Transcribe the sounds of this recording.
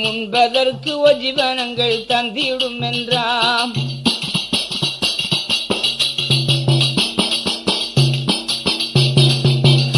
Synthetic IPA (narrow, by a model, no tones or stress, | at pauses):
mʊnbɐðɐɾkɯɔd͡ʒiʋɐnɐŋɡɐɭt̪ɐnd̪ijɪɽɯmɛndraː